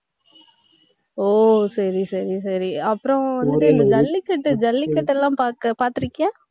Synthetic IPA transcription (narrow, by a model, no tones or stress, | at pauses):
oːsɐɾisɐɾisɐɾiɐpːɯɾõʋɐnd̪ɯʈːɯɛnd̪ɐd͡ʒɐlːikːɐʈːɯd͡ʒɐlːikːɐʈːɛlːãːpaːkɐpaːɾt̪ɯɾɯkːjã